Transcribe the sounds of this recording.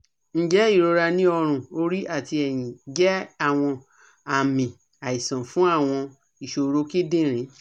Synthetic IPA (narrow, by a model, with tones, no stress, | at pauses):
n̩˦d͡ʒɛ˦i˦˨ɾo˧ɾa˧nĩ˦ɔ˧ɾ̃ũ˦˨o˦ɾi˦ʔa˦˨ti˧ɛ˨j̃ĩ˨d͡ʒɛ˦a˦˨w̃ɔ̃˧ | a˨mĩ˨ | a˨i˨sã˨fũ˨˦a˦˨w̃ɔ̃˧ | i˨ʃo˧ɾo˨˦ki˦dĩ˦ɾ̃ĩ˨˦